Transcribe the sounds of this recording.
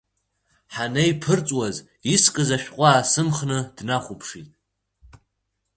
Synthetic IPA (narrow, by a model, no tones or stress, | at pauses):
ħanejpʰɨrt͡sʼwaz | iskʼɨzaʃᶣqʷʼaːsɨmχnɨd̥naχʷupʰʂitʼ